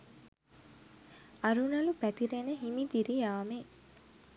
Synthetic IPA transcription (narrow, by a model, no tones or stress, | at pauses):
ɐɾunɐlupæt̪iɾenəɦimid̪iɾijaːme